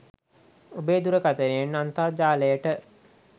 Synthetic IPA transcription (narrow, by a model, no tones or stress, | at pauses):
obeːd̪uɾəkat̪əɾijenːant̪aːd͡ʒaːləjəʈə